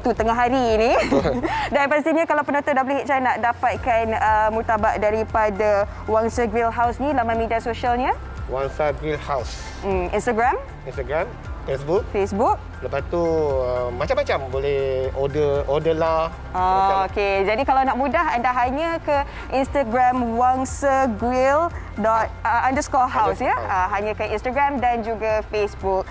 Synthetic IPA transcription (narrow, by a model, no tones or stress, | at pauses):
t̪ut̪əŋaɦaɾiːni | danpast̪iɲãkalawpənõt̪ɔdaʔbolehɦiʔt͡ʃanaʔdapat̪̚kanəmut̪abaʔdaɾipada | waŋsaɡɾilɦawsnilamamediasoʃalɲa | waŋsaɡɾilhaws̩ | ʔḭnst̪aɡɾam | inst̪aɡɾam | fesbuk̚fesbuk̚ | ləpast̪uəmat͡ʃamːat͡ʃambolɛhodəodəla | aoked͡ʒadikalawnaʔmũdaɦandaɦaɲə̃kə | ʔinst̪aɡɾãmwaŋsaɡɹil | dɔt̪̚əʔandəskɔɦawsjaəɦaɲə̃kəĩnst̪aɡɾamdand͡ʒuɡafesbuk̚